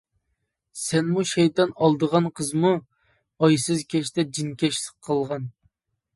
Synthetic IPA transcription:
sɛnmuʃɛjt̪ɑnɑlˠd̪əʁɑnqʰəzmu | ɑjsɨzkʲʰɛʃt̪ɛd͡ʒinkʲʰɛʃsə̥qʰːəlˠʁɑn

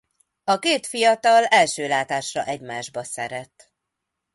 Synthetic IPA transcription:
ɒkeːt̪fijɒt̪ɒlɛlʃøːlaːt̪aːʃrɒ̰ʔɛɟmaːʒbɒsɛɾɛt̪

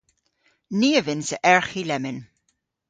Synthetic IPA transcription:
niːəvɪnsəʔɛɹxilɛmɪn

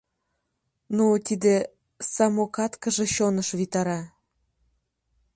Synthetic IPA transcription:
nut̪id̪e | sɑmokɑt̪kə̆ʒĕɕonəʃβit̪ɑɾɑ

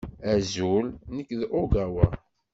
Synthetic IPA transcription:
æzulnəkːðʔoɡæwæ

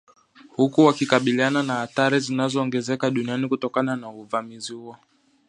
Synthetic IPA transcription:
hukuwakikaɓiliananahaθaɾizinazɔːŋɡɛzɛkaɗunianikutɔkananauvamizihuɔ

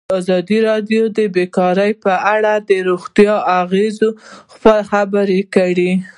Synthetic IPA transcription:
ɑzɑd̪iɾɑɖjod̪əbekɑɾəjpəʔaɽad̪əɾoɣt̪jɑaɣezoxpəxabəɾekəɽi

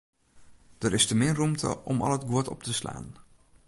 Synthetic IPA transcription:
d̥əɾɪstəmɪrumtʰə̰ʔɔmɑ̰lətɡuətɔ̰p̚təsla̰ːn

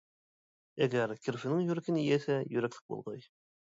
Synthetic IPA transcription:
æɡæɾkiɾfĭnɘɴjɵ̆ɾækɘnijæsæjɵ̰̆ɾæklɘ̥k̚bṵlˠʁɑj

